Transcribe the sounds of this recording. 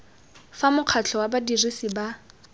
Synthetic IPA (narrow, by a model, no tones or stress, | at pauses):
famʊq͡χʰat͡ɬʰɔwabadirisiba